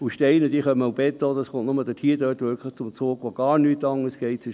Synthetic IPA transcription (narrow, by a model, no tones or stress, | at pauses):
uʃtɛɪnəd̥̪iːχœmənaʊb̥ɛtːoːd̥̪ɑskʊntnʊməd̥̪ətʰiːdøtʋʏɾkʰləχt͡sʊmt͡soːɡ̥ʋoɡ̥ɑːɾnyːtːɑŋəsɡ̥ɛɪtsɪʃ